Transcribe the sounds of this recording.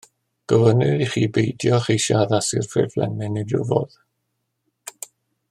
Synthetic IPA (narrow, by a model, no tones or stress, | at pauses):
ɡ̥əvənɨɾiχiːbejdjɔχejʃaðasɪrfʰrɪ̰rflɛ̰nɨnidʊ̰vɔ̰ð̥